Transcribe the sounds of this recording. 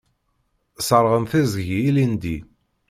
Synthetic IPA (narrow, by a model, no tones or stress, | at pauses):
səɾˤʁəmθizʝiilind̪i